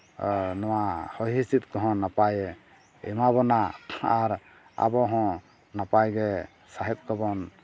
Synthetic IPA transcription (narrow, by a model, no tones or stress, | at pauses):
nɔwahɔɦisit̪̚kɔɦɔ̃napajɛ | ɛ̰mabɔnaaɾ | a̰bɔɦɔ̃ | napajɡɛ | saɦɛt̪̚kɔbɔn